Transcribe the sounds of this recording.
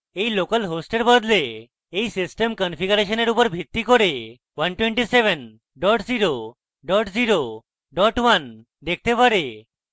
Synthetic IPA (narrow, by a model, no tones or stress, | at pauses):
ejlokəlɦosʈeɾbəd̪leː | isisʈemkənfiɡuɾeʃəneɾupəɾbʱit̪ːikɔɾe | ʋənʈwẽɳʈiseʋən | ɖɔʈd͡ziɾo | ɖɔʈd͡ziɾo | ɖɔʈʋan | d̪ek̚ʰt̪epəɾe